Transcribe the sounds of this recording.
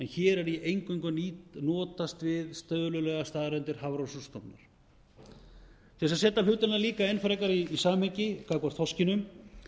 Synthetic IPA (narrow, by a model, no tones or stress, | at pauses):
ɛnçɛːɾɛɾiʔejŋkʏŋkʏniːt̪nɔːt̪ast̪vɪðst̪œðʏlʏlɛɣast̪aːðɾɛnt̪ɪɾ̥havɾɔwsust̪ɔpna̰ɾ̥ | θɛsasɛːt̪alʏːt̪ʏnaliːkaejnfɛɾajkaɾiːsaːmhecɪkaːkvaɾ̥θɔscɪnʏm